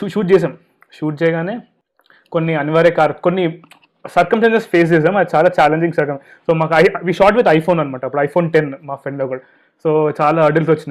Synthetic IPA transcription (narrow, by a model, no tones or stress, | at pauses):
uʃuːʈ̚t͡ʃeːs̬aːm | ʃuːʈ̚t͡ʃɛːjɐɡaːneː | konːiɐniʋaːɾeːkaːɾɐt̪konːi | sɐɾkɐmsʈaːnsespʰeːs̬izɐmɐd̪t͡ʃaːlaːt͡ʃaːleɲd͡ʒĩŋɡsɐɾkɐm | soːmaːkɐɐjʋiːʃaːʈʋid̪ɐjpʰoːnɐnɐmaːʈɐɐpːuɽɐjpʰoːnʈenmaːpeɳɖɐɡɐɭ | soːt͡ʃaːlaːɐɖelsʋot͡ʃːina